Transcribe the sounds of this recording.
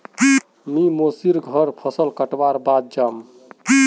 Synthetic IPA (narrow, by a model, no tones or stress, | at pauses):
mimosiɾɡʱʌɾpʰəsəlkəʈbaɾbad̪̚d͡ʒam